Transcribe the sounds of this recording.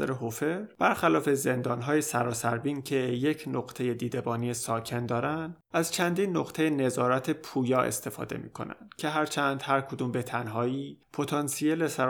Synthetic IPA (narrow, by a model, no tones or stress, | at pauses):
æ̰ɾeɦofeɾb̥æɾxælɒːfe̞ze̞nd̪ɒːnɦɒːje̞sæɾɒːsæɾbiːncʰe̞je̞cʰnoɡt̪ʰe̞je̞d̪iːd̪e̞bɒːnijesɒːcʰe̞nd̪ɒːɾænd̪æzt͡ʃʰænd̪iːnːoqt̪ʰe̞jene̞zɒːɾæt̪ʰe̞pʰuːjɒːe̞̰st̪ʰe̞fɒ̰ːd̪e̞̰mḭːkʰo̞̰næ̰nd̪̥cʰe̞ɦæɾt͡ʃʰæːnd̪hæɾkʰo̞d̪uːmbe̞t̪ʰænɦɒːiːpʰo̞t̪ʰɒnsielesæ